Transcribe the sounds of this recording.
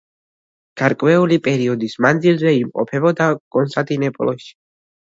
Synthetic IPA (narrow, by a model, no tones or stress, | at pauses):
ɡ̥aɾkʼwɛulipʼɛɾiɔd̪ismand̪zilzɛimqʼɔ̰pʰɛbɔd̪akʼɔnst̪ʼant̪ʼinɛpʼɔlˠɔʃi̥